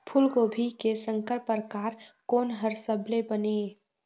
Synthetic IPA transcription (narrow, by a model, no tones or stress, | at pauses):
pʰʊlɡoːbʱikesə̃ŋkəɾpəɾkaːɾkoːnɦəɾsəblebəne